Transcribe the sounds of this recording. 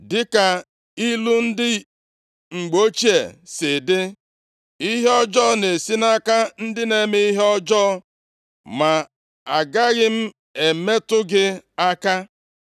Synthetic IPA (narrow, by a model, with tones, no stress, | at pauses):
dɪ˦ka˨ | i˦lu˦n̩˦dɪ˦ | ŋ͡m̩˨ɡ͡bo˦t͡ʃi˦e˨sɪ˨dɪ˦ | i˦ɦe˦ɔ˦d͡ʒɔː˦˨ne˨si˦na˦ka˦n̩˦dɪ˦ne˨me˦i˦ɦe˦ɔ˦d͡ʒɔː˦ | ma˨ | a˨ɡa˦ɣɪ˦m̩˦ | e˨me˦tʊ˦ɡɪ˦a˦ka˦